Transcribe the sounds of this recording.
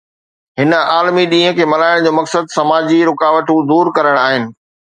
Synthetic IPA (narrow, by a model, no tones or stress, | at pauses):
ɦɪnə̆aːlmiɗĩːɦə̃kʰeːmɐlaːɪɽ̃d͡ʑoːmɐksəd̪sɐmaːd͡ʑiɾʊkaːʋəʈ̪ũːd̪uːɾkɐɾəɽ̃aːɦɪnɪ̆